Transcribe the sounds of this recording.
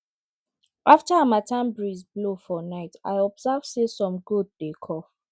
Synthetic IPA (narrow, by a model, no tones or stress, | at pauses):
ʔaftaamatʰãmbɹizblofɔnaɪta̰ɪɔbzavsesɔ̃mɡud̚dekʰɔf